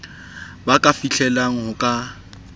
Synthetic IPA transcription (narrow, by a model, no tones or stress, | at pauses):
bakʼafiɬʰɛlaŋ̩hʊkʼa